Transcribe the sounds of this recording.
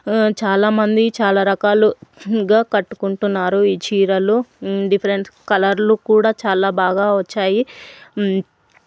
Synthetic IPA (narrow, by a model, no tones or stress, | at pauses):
t͡ʃaːlaːmɐnd̪it͡ʃaːlaːɾɐkaːluɡaːkɐʈːu̥kuɳʈunːaːɾuiːt͡ʃiːɾɐluɖipʰɐɾeɳskɐlɐɾlukuːɽaːt͡ʃaːlaːbaːɡaːʋɐt͡ʃːaːji